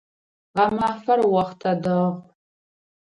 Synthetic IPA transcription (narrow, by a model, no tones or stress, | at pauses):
ʁɐmaːfɐrwɐχtʰɐdɐʁ